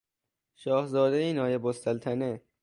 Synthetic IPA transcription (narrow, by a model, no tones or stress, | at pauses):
ʃɒːhzɒːd̪ejinɒːjebost̪ælt̪ʰæne